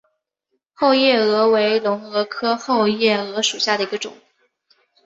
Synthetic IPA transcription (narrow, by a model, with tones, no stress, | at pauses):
xo˥˧ʊjɛ˥˩ɤ˧˥we˧˥ɪlʊ˧˥ŋɤ˧˥kʰɤ˥xo˥˧ʊjɛ˥˩ɤ˧˥ʂu˨˩ɕja˥˩d̪ə˩i˧˥ɡə˧ʈ͡ʂʊ̰˨˩˦ŋ